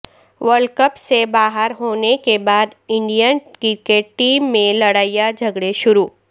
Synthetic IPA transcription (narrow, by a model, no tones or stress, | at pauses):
ʋəɾɖkəpsebaːɦəɾɦoːnekebaːd̪ɪ̃ɳɖijakikeʈʈːiːmːẽlɐɽaːijad͡ʒʱɐɡɽeʃʊɾuː